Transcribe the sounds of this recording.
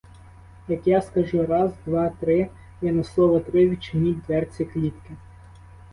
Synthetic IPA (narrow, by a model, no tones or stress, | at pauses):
jɐkjaskɐʒuɾɑzd̪ʋɑt̪ɾɪ | jɛnɐslˠɔʋɐt̪ɾɪʋʲit͡ʃɪnʲilʲd̪ʋɛrt͡sʲiklʲit̪kɪ